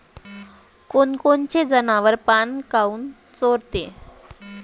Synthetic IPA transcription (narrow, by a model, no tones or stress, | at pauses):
konkont͡ɕed͡zənaʋəɾpankauːn | t͡soɾt̪e